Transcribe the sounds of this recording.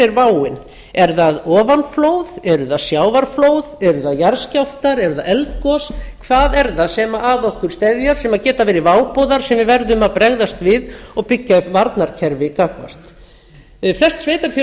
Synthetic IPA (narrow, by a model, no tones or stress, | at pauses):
ɪɾvaːwɪn | ɛɾðaðɔːvanflowðɛɾʏðasjaːwvaɾ̥floːwðɛɾðaðjaɾscawlt̪aɾɛɾðaðɛlt̪kɔskʰvaːðɛɾðasɛmaʔaðɔhkʏɾ̥st̪ɛðjaɾ̥sɛmacɛːt̪avɛːɾɪvaːwpɔwðaɾ̥sɛmvɪvɛɾðʏmaðpɾɛɣðast̪vɪðɔɣpɪcːavaɾt̪naɾ̥cʰɛɾvɪkaːkva̰st̪ | flɛrst̪sveːjt̪aɾ̥f